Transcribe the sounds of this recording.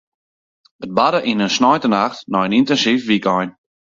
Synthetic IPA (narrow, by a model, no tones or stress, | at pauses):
ət̚badəʔinənsnɔjtənaxtnɔjənintɛnsifʋikɔjn